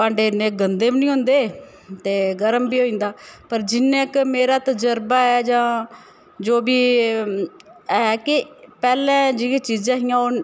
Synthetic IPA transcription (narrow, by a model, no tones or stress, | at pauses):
pãːɳɖeːneːɡənd̪eːbnĩːɦʊ̃nd̪eː | t̪eːɡəɾəmbiːoːĩːnd̪aːpəɾd͡ʒɪnːẽːkmeːɾaːt̪əd͡ʒəɾbaːɛːd͡ʒãː | d͡ʒoːbiː | ɛːkɪpɛːlɛ̃ːd͡ʒɪẽːt͡ʃiːd͡ʒãːɦijãːon